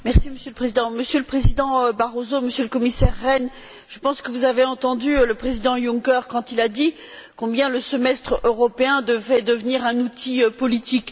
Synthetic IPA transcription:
mɛʁsiməsjøləpχezid̪ɑ̃məsjøləpχezid̪ɑ̃baʁozoməsjøləkɔmisɛʁːɛn | ʒ̥əpɑ̃skəvuzaveɑ̃t̪ɑ̃d̪yləpχezid̪ɑ̃jũŋkɛʁkɑ̃t̪ilad̪i | kɔ̃bjɛ̃ləsəmɛst̪χøʁɔpeɛ̃d̪əvʁɛd̪əvniʁɛ̃nut̪ipɔlit̪ik

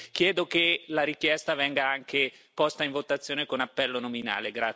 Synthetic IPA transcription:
kjɛːd̪okelaɾikjɛst̪avɛŋɡaaŋkepɔst̪aiɱvot̪at̪sːjoːnekonapːɛlːonomina̰ːleɡɾa

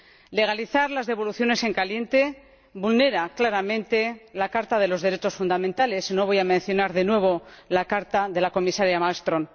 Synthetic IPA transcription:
le̞ɣ̞aliθaɾlazðe̞βo̞luθjo̞ne̞se̞ŋkalje̞nt̪e̞ | bulne̞ɾaklaɾamẽ̞nt̪e̞lakaɾt̪aðe̞lo̞zðe̞ɾe̞t͡ʃo̞sfund̪amẽ̞nt̪ale̞sino̞βo̞jamẽ̞nθjo̞naɾðe̞nwe̞β̞o̞lakaɾt̪aðe̞lako̞misaɾjamalst̪ɾo̞n

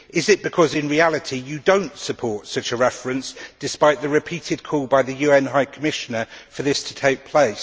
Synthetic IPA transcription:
ɪzɪʔ̚b̥ɪkʰɒzɪ̃nɹialɪtʰijədə̃ʊ̃ntsəpʰɔˑtsʌt͡ʃəɹɛfɹə̃nsd̥ɪspaɪʔðəɹɪpʰiˑtʰɪd̚kʰɔːlˠbaɪðəjʉːɛ̃nɦaɪkʰəmɪʃənəfəðɪstʰə̥tʰeɪk̚pʰl̥eɪs

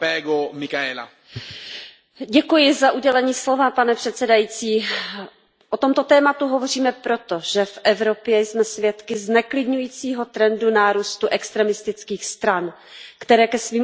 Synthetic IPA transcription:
pɛːɡomikaɛːla̰ | ɟɛkujɪzaʔuɟɛlɛɲiːslo̞vapanɛpr̥ɛt̪sɛdajit͡siː | ʔot̪o̞mt̪o̞t̪ɛːmat̪uɦo̞vo̞riːmɛpɾot̪o̞ʒ̥ɛfʔɛvɾo̞pjɛjsmɛsvjɛt̪kɪznɛklɪdɲujiːt͡siːɦo̞t̪ɾɛndunaːɾuːst̪uʔɛkst̪ɾɛmɪst̪ɪt͡skiːxst̪ɾan | kt̪ɛɾɛːkɛsviːm

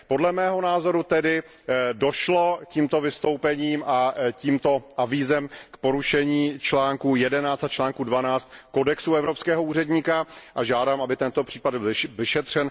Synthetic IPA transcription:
po̞dlɛmɛːɦo̞naːzo̞ɾut̪ɛdɪ | do̞ʃlo̞ciːmt̪o̞vɪst̪o̞wpɛɲiːmʔaciːmt̪o̞ʔaviːzɛmkpoɾuʃɛɲiːt͡ʃlaːŋkujɛdɛnaːt͡st̪at͡ʃlaːŋkudvanaːt͡st̪ko̞dɛksuɛvɾopskɛːɦouːrɛdɲiːkaʔaʒaːdaːmabɪt̪ɛnt̪o̞pr̝̥iːpadbɪlvɪʃɛt̪r̝̥ɛn

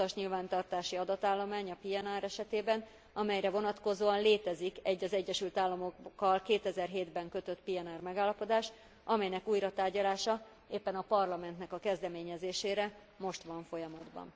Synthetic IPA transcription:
ɒʃɲilvaːnt̪ɒrt̪aːʃiɒd̪ɒt̪aːlːo̞maːɲɒpiɛnaːɾɛʃɛt̪eːbɛn | ɒmɛjɾɛvo̞nɒt̪ko̞zoːɒnleːt̪ɛzikɛɟːɒzɛɟːɛʃylt̪aːlːɒmo̞kkːɒlkeːt̪ɛzɛrɦeːd̪bɛŋkø̞t̪ø̞t̪piɛnaːrmɛɡaːlːɒpo̞d̪aːʃ | ʔɒmɛjnɛkuːjɾɒt̪aːrɟɒlaːʃɒ | eːpːɛnɒpɒrlɒmɛnt̪nɛkɒkɛzd̪ɛmeːɲɛzeːʃeːɾɛ | mo̞ʃt̪ʋɒɱfo̞jɒmɒd̪bɒ̰n

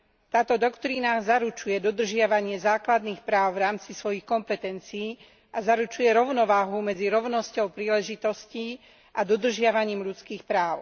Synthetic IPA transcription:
t̪aːt̪ɔd̪ɔkt̪ɾiːnazaɾut͡ʃujɛd̪ɔd̪r̩ʒɪaʋaɲɪɛzaːklad̪niːxpɾaːʊvɾaːmt͡sisʋɔjixkɔmpɛt̪ɛnt͡siː | ʔazaɾut͡ʃujɛɾɔʊnɔʋaːɦumɛd͡ziɾɔʊnɔscɔʊpɾiːlɛʒit̪ɔsci | ʔad̪ɔd̪r̩ʒɪaʋaɲiːmʎut͡skiːxpɾaːʊ

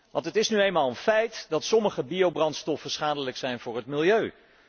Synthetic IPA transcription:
ʋɑntɦətɪsnyejnmaːlˠənfɛjtdɑtsɔməχəbijowbrɑntstɔfəsχaːdələksɛjnvʊːɹɦətmɪlˠjøɥ

